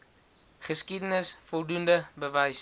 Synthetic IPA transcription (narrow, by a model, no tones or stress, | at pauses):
χəskidənəsfɔlˠdundəbəvəjs